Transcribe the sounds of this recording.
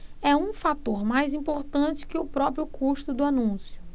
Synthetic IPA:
ɛũfat̪oɾmajzĩpoɾt̪ɐ̃t͡ʃɪ̥kɪʊpɾɔpɾjʊkʰuʃt̪ʊd̪ʊanũsjʊ

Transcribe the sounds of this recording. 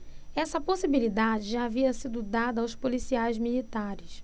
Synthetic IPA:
ɛsɐposibilid̪ad͡ʒɪʒaːviɐsid̪ʊd̪ad̪ɐawspolisiajzmilit̪aɾɪs

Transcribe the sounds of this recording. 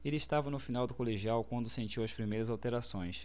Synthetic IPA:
elɪːʃt̪avɐnʊfinawd̪ʊkoleʒiawkwɐ̃nd̪ʊsẽnt͡ʃiwɐspɾimejɾɐzawt̪eɾasõj̃s

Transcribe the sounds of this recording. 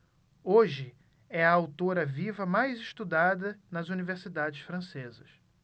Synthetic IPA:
oʒɪ | ɛɐawt̪oɾɐvivɐmajzɪʃt̪ud̪ad̪ɐnɐzuniveɾsid̪ad͡ʒɪsfɾɐ̃sezɐs

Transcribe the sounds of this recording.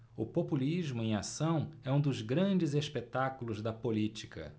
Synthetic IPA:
ʊpopuliʒmʊẽj̃asɐ̃w̃ɛũd̪ʊzɡɾɐ̃d͡ʒɪzespet̪akulʊzd̪ɐpolit͡ʃi̥kɐ̰

